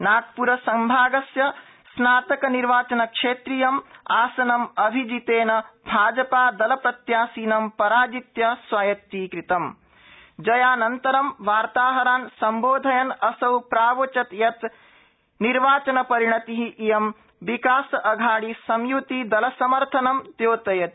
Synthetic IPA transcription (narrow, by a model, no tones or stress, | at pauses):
naːk̚puɾɐsɐmbʱaːɡɐsjɐ | snaːt̪ɐkɐniɾʋaːt͡ʃɐnɐkʂeːt̪ɾijɐmaːsɐnɐmɐbʱid͡ʒit̪eːnɐbʱaːd͡ʒɐpaːd̪ɐlɐpɾɐt̪jaːsiːnɐmpɐɾaːd͡ʒit̪jɐswaːjɐt̪ːiːkɾit̪ɐm | d͡ʒɐjaːnɐnt̪ɐɾɐmʋaːɾt̪aːɦɐɾaːnsɐmboːd̪ʱɐjɐnɐsɐwpɾaːʋot͡ʃɐt̪jɐt̪ | niɾʋaːt͡ʃɐnɐpɐɾiɳɐt̪iɦiʔijɐm | ʋikaːsɐʔɐɡʱaːɽisɐmjut̪id̪ɐlɐsɐmɐɾt̪ʰɐnɐmt̪joːt̪ɐjɐt̪